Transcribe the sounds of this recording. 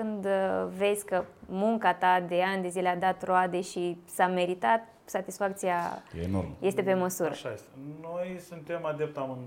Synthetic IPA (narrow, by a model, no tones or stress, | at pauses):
kɨnd̪ve̞zʲkəmuŋkat̪ad̪e̞and̪e̞zile̞ad̪at̪road̪e̞ʃisame̞ɾit̪at̪ | sat̪isfak̚t̪siajeeno̰rmje̞st̪e̞pe̞məsuɾɾəʃaest̪enojsunt̪e̞mad̪ep̚t̪amɨn